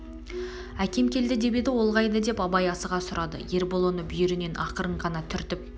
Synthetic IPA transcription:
ækʲe̞mkʲʰe̞ld̪ɪd̪e̞bed̪ɪwo̞lˠʁɑjd̪əd̪e̞pɑbɑjɑsəʁɑsʊɾɑd̪ə̰je̞ɾbolˠo̞nəbʏjɪɾɪne̞nʔɑqəɾəɴqʰɑnɑt̪ʰʏɾt̪ɪp̚

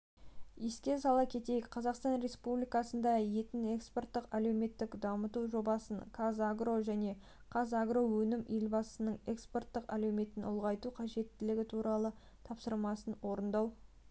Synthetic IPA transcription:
eskʲe̞sɑlˠɑkʲʰe̞t̪e̞jɪkqʰɑzɑqst̪ɑnɾe̞spublijkɑsənd̪ɑje̞t̪ɪne̞ksport̪ːəqæle̞wme̞t̪ːɪkd̪ɑmət̪uʒo̞bɑsənkʰazaɡro̞ʒæne̞ | kʰɑzaɡro̞wɵnɪmelbɑsənəɴe̞kspo̞rt̪ːəqælewme̞t̪ɪnʊ̰lˠʁɑjt̪uqʰɑʒe̞t̪ːɪlɪɡʲɪt̪ʰuɾɑlˠə | t̪ʰɑpsəɾmɑsənwo̞ɾənd̪ɑw

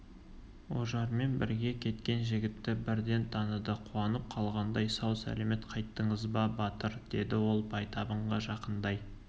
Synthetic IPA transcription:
o̰ʒɑɾme̞nbɪɾɡʲe̞kʲʰe̞t̪kʲe̞nʒɪɡʲɪt̪ːɪbɪɾd̪e̞nt̪ʰɑnəd̪əqʰuɑnəp̚qʰɑlˠʁɑnd̪ɑjsɑwsæ̰leme̞t̪qʰɑjt̪ːəɴəzbɑbɑt̪əɾd̪̥e̞̰d̪ɪwo̞lˠbʰɑjt̪ʰɑbəɴʁɑʒɑqənd̪ɑj

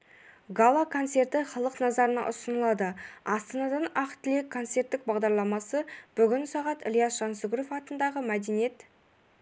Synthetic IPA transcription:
ɡalˠakʰo̞nt̪se̞rt̪ɪχɑlˠəqnɑzɑɾənɑ̰ʔʊsənəlˠɑd̪əɑst̪ɑnɑd̪ɑnɑqt̪ɪlekʰːo̞nt̪se̞rt̪ːɪk̚bɑʁd̪ɑɾlˠɑmɑsəb̥ʏɡʲɪnsɑʁɑt̪ɪlʲˠjɑsʒ̥ɑnsəɡɾo̞fɑt̪ənd̪ɑʁəmæd̪enije̞t̪

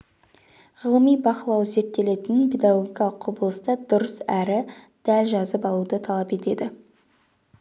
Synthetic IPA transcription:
ʁəlˠəmijbɑqəlˠɑwze̞ɾt̪ːe̞le̞t̪ɪnɪnpʰʲe̞d̪aɡoɡʲijkɑlˠəqqʰʊbəlˠəst̪ɑd̪ʊɾəsæɾɪ | d̪̥ælʒɑzəpɑlˠud̪ət̪ʰɑlˠɑpe̞t̪e̞d̪ɪ

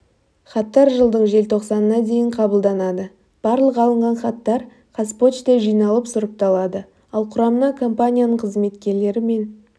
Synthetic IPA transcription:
χɑt̪ːɑɾʒəlˠd̪əɴʒe̞lt̪ʰo̞qsɑnənɑd̪e̞jɪɴqʰɑbəlˠd̪ɑnɑd̪ə | b̥ɑɾlˠəqɑlˠəɴʁɑnχɑt̪ːɑɾ | qʰɑspo̞t̪t͡ʃt̪e̞ʒijnɑlˠəpsʊɾəp̚t̪ɑlˠɑd̪ə | ɑlˠqʰʊɾɑmənɑkʰo̞mpanʲijanəɴqʰəzme̞t̪kʲe̞ɾle̞ɾɪme̞n

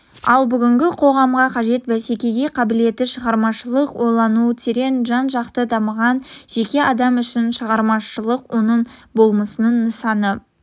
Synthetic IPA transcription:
ɑ̰lˠbʏɡʲɪŋɡʲɪqʰo̞ʁɑmʁɑqʰɑʒe̞t̪bæse̞kʲe̞ɡʲe̞qʰɑbɪle̞t̪ːɪʃəʁɑɾmɑʃəlˠəqwo̞lˠɑnut̪ʰeɾe̞nʒɑnʒɑqt̪əd̪ɑməʁɑnʒ̥e̞kʲe̞ʔɑd̪ɑmʏʃɪnʃəʁɑɾmɑʃəlˠəqwo̞nəɴbo̞lˠməsənəɴnəsɑnə

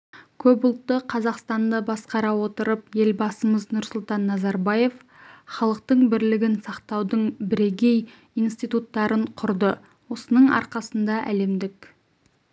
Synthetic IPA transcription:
kʲʰɵpʊlˠt̪ːəqʰɑzɑqst̪ɑnd̪əbɑsqɑɾɑwo̞t̪əɾəp̚je̞lbɑsəməznʊɾsʊlˠt̪ɑnːɑzɑɾbɑje̞f | χɑlˠəq̚t̪əɴbɪɾlɪɡʲɪnsɑqt̪ɑwd̪əɴbɪɾe̞ɡʲe̞j | ijnst̪ijt̪ut̪ːɑɾʔəɴqʰʊɾd̪ə | wo̞sənəɴɑ̰ɾqɑsənd̪ɑʔæ̰le̞md̪ɪk

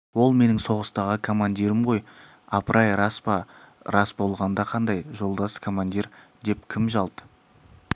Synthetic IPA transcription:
wo̞lˠme̞nɪŋso̞ʁəst̪ɑʁəkʰo̞mand̪ʲiɾɪmʁo̞j | ɑpəɾʔɑjɾɑspɑ | ɾɑsbo̞lˠʁɑnd̪ɑqʰɑnd̪ɑjʒo̞lˠd̪ɑskʰo̞mand̪ʲiɾd̪e̞p̚kʲʰɪmʒɑlˠd̪ə

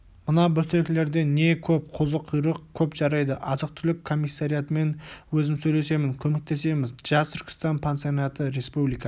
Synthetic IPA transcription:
mənɑbɵt̪ekʲɪle̞ɾd̪e̞ne̞kʲʰɵp̚qʰʊzəqʰujɾəq̚kʲʰɵpʒɑɾɑjd̪əʔɑzəq̚t̪ʰʏlɪkʰːo̞mʲːijsːaɾijat̪əme̞nwɵzɪmsɵjle̞se̞mɪŋkʲʰɵme̞k̚t̪ʰe̞se̞mɪzʒɑst̪ʰʏɾʲkʲɪ̥st̪ɑnpʰensɨjonat̪əɾe̞spublijka

